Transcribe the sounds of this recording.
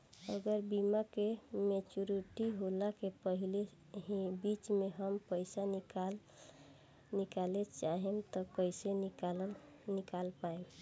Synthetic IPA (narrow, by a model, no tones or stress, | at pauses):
əɡəɾbimakemet͡ʃuɾiʈiɦolakepəɦile | ɦibit͡ʃmeɦəmpəɪsankal | nikalet͡ʃaɦemt̪ɔkəjsea | nikalpaem